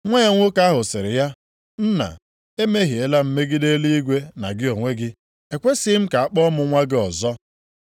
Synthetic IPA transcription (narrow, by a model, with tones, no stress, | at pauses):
ŋʷe˦e˦ŋʷʊ˦ka˦ɦʊ˨sɪ˨ɾɪ̰˨ja˦ | n̩˦na̰˨ | e˦me˦ɦi˨e˦la˦m̩˨˦me˦ɡɪ˦de˦li˦i˦ɡʷe˦na˨ɡɪ˦o˨ŋʷe˦ɡɪ˦ | e˨kʷe˦si˦m̩˦ka˨a˨k͡pɔ˦mʊ˨ŋʷa˦ɡɪ˦ɔ˨zɔ˦